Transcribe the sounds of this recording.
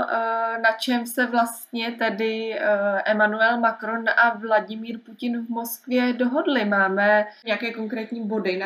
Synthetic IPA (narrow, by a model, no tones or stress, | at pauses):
nat͡ʃɛmsɛvlast̪ɲɛt̪ɛdɪʔɛmanuɛlmakɾo̞nʔavlaɟɪmiːɾpucɪnvmo̞skvjɛdo̞ɦo̞dlɪmaːmɛɲɛjakɛːko̞ŋkɾɛːt̪ɲiːbo̞dɪ